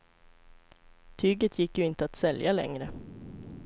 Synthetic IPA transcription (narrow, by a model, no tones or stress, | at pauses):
t̪ʰyːɡət̪ʰjɪkːjɵɪnt̪əat̪sɛljalɛ̰ŋɾə